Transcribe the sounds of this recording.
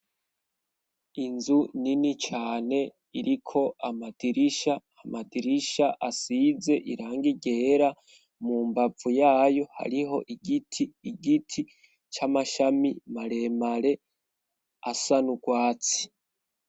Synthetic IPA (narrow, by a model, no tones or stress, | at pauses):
inzuninit͡ʃaːne̞ | iɾikʰo̞ʔamadiɾiʃahamadiɾiʃaʔasize̞ʔiɾaːŋɡiɟeɾa | muːmbavujaːjo̞ha̰ɾiɦo̞ʔiɡitʰiːɡitʰi | t͡ʃamaʃamimaɾe̞maɾe̞ | asanuɡwaːt͡si̥